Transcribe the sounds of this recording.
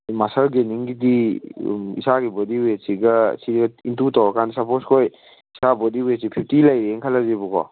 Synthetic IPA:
masalɡeniŋɡidḭ | ḭsaɡibodiwesiɡɐ̰sidɡɐintutawakʰansɐposkʰoj | isabɔdiwesipʰip̚ʰtilajɾeeŋkʰalazibukɔ̰

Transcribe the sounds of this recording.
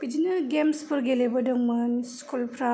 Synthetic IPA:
bid͡ʒinɐɡemspuɾɡelebɐdɔŋmanskulpʰɾa

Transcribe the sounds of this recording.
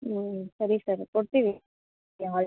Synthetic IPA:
sɐɾisaːɾpɔɽt̪ːiʋɪ | jãɐ

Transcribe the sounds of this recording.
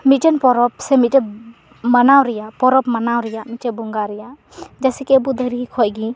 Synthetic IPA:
mit̪̚tɛnpɔɾɔp̚sɛmit̪̚tɛ | manawɾɛjapɔɾɔpmanawɾɛjaʔmit̪̚tɛbuŋɡaɾɛjaʔ | d͡ʒasɛkɛbud̪əɾiɦikʰɔʔɡi

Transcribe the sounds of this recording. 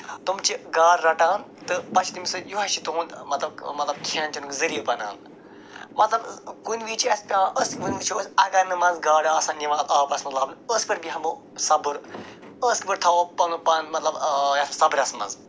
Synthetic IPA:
t̪umt͡ʃiɡaːɾːɐʈaːn | t̪ɨpɐt͡ʃʰit̪imisɨjuɦɐʃit̪oːnd̪mɐt̪lɐbmɐt̪lɐb̚kʲʰɐːnt͡ʃinukzɐɾijpɐna̰ːn | mɐt̪lɐbkunʋiːt͡ʃiɐspʲãːʔəskibunʲt͡ʃʰoːsʲɐɡɐɾnɨmɐnzɡaːɽaːsɐ̃ːnʲiʋaːt̪aːpɐsmɐt̪lɐbnəspɐɾʲbiɦɐmu | sɐbɨɾ | əskbɨɾt̪ʰɐopɐnupɐnmɐt̪lɐbjɐssɐbɾʲɐsmɐ̰̃nz

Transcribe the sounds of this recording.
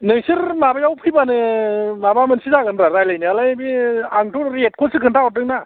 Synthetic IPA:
nɯŋsɯɾmabajawpʰɯjbanɯmabamɯnsizaɡɯnɾaɾajlajnɯalajbiaŋtʰoɾet̚kʰosɯkʰɯntʰaɔt̚ɾɯŋna

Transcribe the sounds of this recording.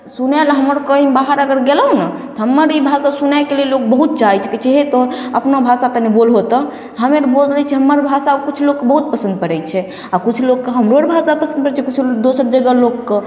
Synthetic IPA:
sunelɦəməɾkəɦĩbaɦəɾəɡəɾɡeləɦnət̪ɔɦəmːəɾibʱasasunajkelelːok̚bəɦut̪̚t͡ʃaɦit͡ʃʰket͡ʃʰeɦet̪ɔəpnabʱasat̪ənebolɦot̪ɔ | ɦəmeɾbold̪ɾɛt͡ʃʰɛɦəmːəɾbʱasakut͡ʃʰlokːebəɦut̪̚pəsə̃nd̪̚pəɾɛt͡ʃʰɛ | akut͡ʃʰlokːeɦəmɾoəɾbʱasapəsə̃nd̪pəɾt͡ʃʰɛkut͡ʃʰd̪osəɾd͡ʒəɡəlokːe

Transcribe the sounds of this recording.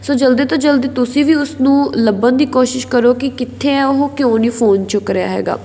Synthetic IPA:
soːd͡ʒəld̪eːt̪ãːd͡ʒəld̪eːt̪ʊsĩːʋiːʊsnũːləbənd̪iːkoːʃɪʃkəɾoːkɪkɪt̪ʰːeːɛʊɦõːkjõːniːpʰoːnt͡ʃʊkɾeja̰ːɦɛ̰ːɡa̰ː

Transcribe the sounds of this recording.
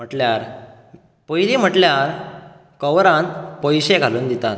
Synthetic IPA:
m̤əʈljaɾ | pəjliːm̤əʈljaɾ | kəwɾãnt̪pɔjɕeɡʱaluːnd̪it̪at̪̚

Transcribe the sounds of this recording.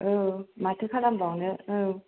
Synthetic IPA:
ɯmatʰɯkʰalambawneɯ

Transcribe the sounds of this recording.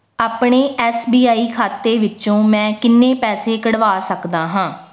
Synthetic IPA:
aːpɳeːʔɛːsbiːaːiːkʰaːt̪eːʋɪt͡ʃõːmɛ̃ːkɪnːẽːpɛːseːkəɽʋaːsəkd̪aːɦãː

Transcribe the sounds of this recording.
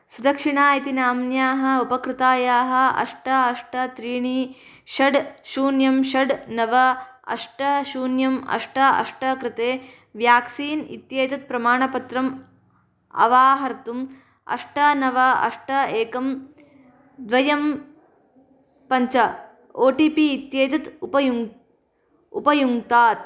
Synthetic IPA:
sud̪ɐkʂiɳaːjit̪inaːmnjaːɦɐ̆upɐkɾɪt̪aːjaːɦɐ̆ɐ̰ʂʈɐɐʂʈɐt̪ɾiːɳi | ʃɐɖʃuːnjɐmʃɐɖnɐʋɐɐ̰ʂʈɐʃuːnjɐmɐ̰ʂʈɐɐ̰ʂʈɐkɾɪt̪eː | ʋjaːksiːnḭt̪jɐːt̪ɐt̪̚pɾɐmaːɳɐpɐt̪ɾɐm | ɐ̰ʋaːɦɐɾt̪um | ɐ̰ʂʈɐnɐʋɐɐ̰ʂʈɐeːkɐm | d̪ʋɐjɐm | pɐɲt͡ʃɐ | oːʈiːpiːt̪jeːt̪ɐt̪upɐju | ṵpɐjuŋt̪aːt̪̚

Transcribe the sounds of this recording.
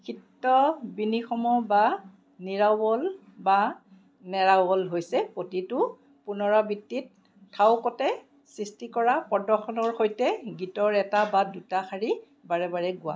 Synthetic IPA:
kʰitːɔbinixɔmɔba | niɹawɔl | ba | nɛɹawbɔlɦojsɛpotitʊ | pʊnɔɹabitːitʰː | awkɔtɛ | sɹistikɔɹapɔdɔxɔnɔɹxojtɛɡitɔɹɛtabadutaxaɹi | baɹɛbaɹɛɡʊa̰

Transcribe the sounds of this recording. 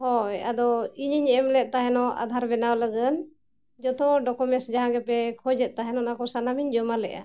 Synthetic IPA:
hɔja̰d̪ɔiɲiɲəɛmlɛt̪̚t̪aɦɛnɔʔa̰d̪ʱaɾbɛnawləɡən | d͡ʒɔt̪ɔɖɔkɔmɛnsd͡ʒaɦãɡɛpɛkʰɔd͡ʒɛt̪̚ˀt̪aɦɛnɔnakɔsanamiɲd͡ʒɔmalɛʔa̰

